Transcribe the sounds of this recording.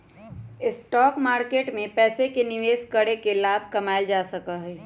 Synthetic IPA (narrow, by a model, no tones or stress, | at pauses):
ɪsʈɔːkmaːɾkeːʈmẽpɛːsekenɪʋeːskəɽekelaːbʱkɐmaːɪld͡ʒaːsəkaɦɛː